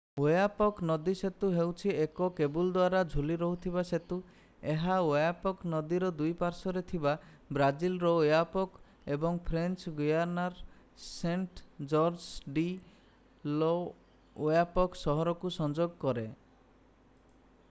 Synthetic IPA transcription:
ojapɔknɔd̪iset̪uɦewt͡ʃʰiekɔkebuld̪waɾad͡ʒʱuliɾɔɦut̪ʰibaset̪u | eɦaojapɔknɔd̪iɾɔd̪ujpaɾsɔɾet̪ʰiba | bɾad͡ʒilɾɔojapɔk | ebɔŋpʰɾent͡ʃɡujaɾnaɾ | seɳʈd͡ʒɔɾd͡ʒɖi | lɔ | ojapɔksɔɦɔɾɔkusɔnd͡ʒoɡkɔɾe

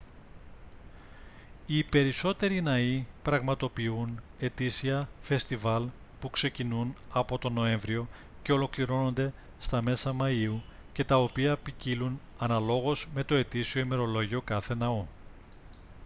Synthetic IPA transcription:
ipe̞ɾiso̞t̪e̞ɾinɐipɾɐɣmɐt̪o̞piune̞t̪isiɐfe̞st̪ivɐl | pukse̞cinunɐpo̞t̪o̞no̞e̞ɱvɾio̞ | ce̞o̞lo̞kliɾo̞no̞nd̪e̞ | st̪ɐme̞sɐmɐiu | ce̞t̪ɐo̞piɐpicilun | ɐnɐlo̞ɣo̞zme̞t̪o̞e̞t̪isio̞ime̞ɾo̞lo̞ʝio̞kɐθe̞nɐo

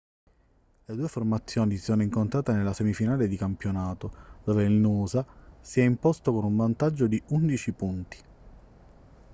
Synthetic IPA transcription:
led̪uːeformat̪sːjoːnisi̥soːnoiŋkont̪ɾaːt̪enelːasɛmifinaːled̪ikampjonaːt̪od̪̥oːveilnuːzasiɛimpost̪okonuɱvant̪ad͡ʒːod̪iund̪it͡ʃipunt̪i̥

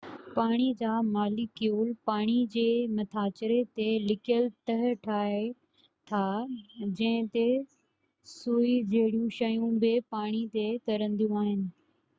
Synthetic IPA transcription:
paːɽ̃id͡ʑaːmaːlɪkːjuːlpaːɽ̃id͡ʑeːmɐt̪ʰaːt͡ɕɾet̪elɪkjəlt̪ɐɦʈʰaːe | t̪ʰaːd͡ʑɐ̃ɦɪ̃t̪e | suːid͡ʑɐɦɪɽijũʃɐjũbepaːɽ̃it̪et̪ɐɾə̃nd̪ijũaːɦɪnɪ̆

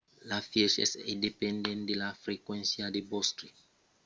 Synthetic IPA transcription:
lafjeʃḛsindepɛ̃ndẽnd̪elafɾekwɛ̃nsjadebɔstɾi

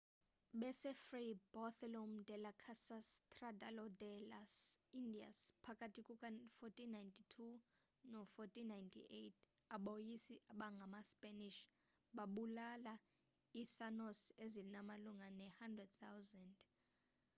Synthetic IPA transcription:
ɓɛsɛfribɔθɛloum̩dʱɛlakʰasastʰʼradalɔdɛlasindia̰spʰakʼatʰikʼukʼafotʰʼinajntʰitʰu | nɔfotʰʼinajntʰḭʔetʰ | aɓojisiʔaɓaŋɡʱamaspʼaniʃ | ɓaɓulala | iθanɔsezilinamaluŋanɛhandrɛd̚θawzɛnd

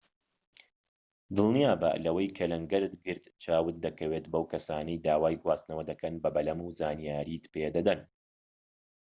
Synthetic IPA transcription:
d̪ɨlˠnijaːbɐ̰lɐwɐjkʰɐlɐŋɡɐɾɨt̪ɡɨɾt̪t͡ʃʰaːwɨt̪̚d̪ɐkʰɐweːt̪bɐwkɐsaːnɐjd̪aːwaːjɡwaːst̪nɐwɐd̪ɐkʰɐnbɐbɐlɐmuːzaːnijaːɾiːt̪ped̪ɐd̪ɐn

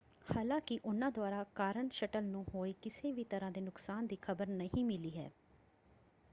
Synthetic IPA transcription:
haːlãːkɪʔʊnãːd̪ʊaːɾaːkaːɾəɳʃəʈəlnũːɦoːiːkɪseːʋiːt̪əɾãːd̪eːnʊksaːnd̪iːkʰəbəɾnəɦĩːmɪliːɦɛ̰ː

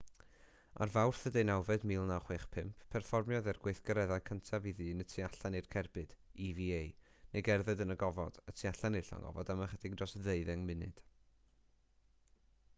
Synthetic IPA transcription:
a̰rvawrθədenawvɛdmiːlˠnawχweːχpʰɪmpʰpʰːɛrfɔrmjɔðɛrɡwejθɡəɾɛðajkʰəntʰaviðɨːnətʰiaɬanirkʰɛrbɨd̥iviejneɡɛrðɛdənəɡɔvɔd̥ətʰiaɬanirɬɔ̰ŋɔ̰vɔdamaχədiɡdrɔsðeɨðɛŋmɪnɨ̰d̥

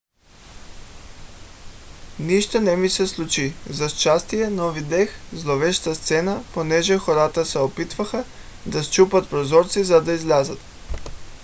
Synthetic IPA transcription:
niʃt̪onɛmisɛslˠut͡ʃizast͡ʃast̪ijɛnɔvid̪ɛxzlˠovɛʃt̪ast̪sɛnaponɛʒɛxoɾat̪asɛopit̪vaxa | d̪ast͡ʃupat̪pɾozɔɾt̪sizad̪aizlʲazat̪

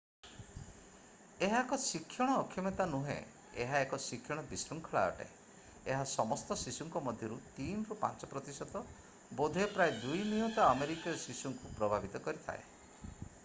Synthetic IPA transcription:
eɦakɔsikʰːjɔɽ̃ɔːkʰːjɔmet̪anuɦḛ̃ | ḛɦaekɔsikʰjɔɽ̃ɔbisɾɔŋkʰɔɭa̰ɔ̰ʈa̰e | eɦasɔmɔst̪ɔsisuŋkɔmɔd̪ʱjɔɾut̪inɾupa̰nt͡ʃɔpɾɔt̪isɔt̪ɔ | bod̪ʱiɔpɾaed̪ujnijut̪aːmeɾikijɔsisuŋkupɾɔbʱabʱit̪ɔkɔɾit̪ʰa̰e

